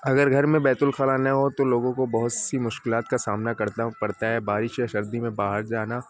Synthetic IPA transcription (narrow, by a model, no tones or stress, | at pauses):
ɐɡəɾɡʱɐɾmẽbɛːt̪ʊlxaːlanɐɦot̪oloːɡõkobɐɦʊt̪simʊʃkɪlaːt̪kasaːmnakɐɾt̪aɦpɐɽt̪aɦɛbaːɾɪʃeʃɐɾd̪imẽbaːɦəɾd͡ʒaːnaː